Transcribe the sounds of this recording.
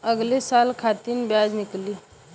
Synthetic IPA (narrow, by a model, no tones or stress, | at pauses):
əɡlesaːlkʰat̪inbjaːd͡ʒmɪkliː